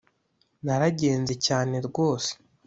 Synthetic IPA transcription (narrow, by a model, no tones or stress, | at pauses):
naɾaɟe̞ːnze̞caːne̞ɾɡo̞ːse̥